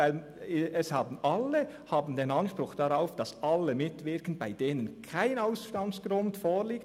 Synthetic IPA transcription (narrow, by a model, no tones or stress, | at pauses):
aɪl | ɛshɑːbn̩ɑlːə | hɑːbn̩deːnɑnʃpɾʊχd̥ɑɾaʊfd̥ɑsʔɑlːəmɪtvɪɾkən̩b̥aɪd̥eːnənkʰaɪnaʊsʃtɑmsɡ̥ɾʊntfoːɾliːk̚